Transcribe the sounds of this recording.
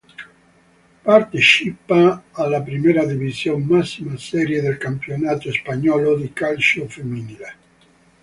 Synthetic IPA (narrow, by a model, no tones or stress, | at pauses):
part̪et͡ʃipaːlːapɾimɛːɾad̪ivizjommasːimasɛːɾjed̪elkampjonaːt̪ospaɲɔːlod̪ikalt͡ʃofemːinile